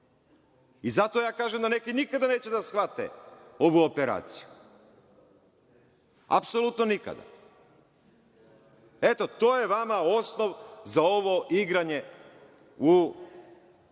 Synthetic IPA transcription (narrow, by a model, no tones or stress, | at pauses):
izat̪ojaːkaːʒemd̪ane̞kinikad̪ane̞ːt͡ɕe̞d̪asxʋat̪ḛo̞ʋuopeɾa̰ːt̪si̥ju | a̰pso̞lˠut̪nonika̰d̪a̰ | et̪o̞t̪o̞ːje̞ʋamao̞sno̞ʋzao̞ʋo̞iɡɾaɲe̞ | u